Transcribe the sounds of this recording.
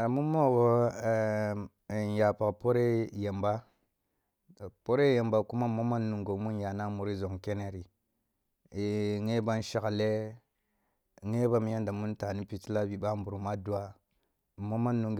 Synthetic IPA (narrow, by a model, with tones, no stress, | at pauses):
mu˦mo˦˨ɡo˦˨ | n˨ja˨pa˨kpo˦ɾe˦je˨mba˦˨ | po˦ɾe˦je˨mba˨ku˦ma˦mo˦ma˦nːu˨ŋɡo˨mu˦nja˨na˦mu˨ɾi˦zo˨ŋke˦ne˦ɾi˨ | ŋe˦ba˦nʃa˦ka˨le˦ | ŋe˦ba˦m˦ja˦nda˨mu˦n˦ta˨ni˦pi˨ti˦la˦bi˨ɓa˦m˦bu˨ɾu˨ma˦du˦a˦˨ | mo˦ma˦nːu˨ŋɡ